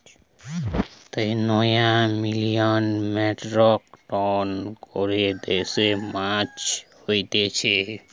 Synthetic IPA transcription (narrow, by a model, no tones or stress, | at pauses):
t̪ənɔjãmilijɔnmeʈɾɔkʈɔnkoɾed̪esemãt͡ʃhojt̪et͡ʃʰɛ